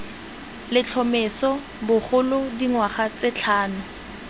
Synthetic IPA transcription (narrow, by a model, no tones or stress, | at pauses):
lɪt͡ɬʰɔmɪsɔ | bʊχʊlʊdiŋwaχat͡sɪt͡ɬʰaːnʊ